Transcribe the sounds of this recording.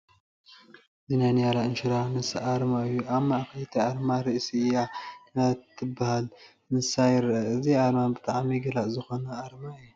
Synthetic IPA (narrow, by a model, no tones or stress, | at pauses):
ɨzinajnijalaɨnʃɪɾanɨsʔaɾmaɨjːuʔamːaʕxɐt̪ʰiʔaɾmaɾɨʔsiɨjaknat̪ʰːɨbahal | mɨsajɪɾʔɐɨziaɾmanbɨt̪ʼaʕmiɡɐlaʔzɨxo̞nɐʔaɾmaɨjːu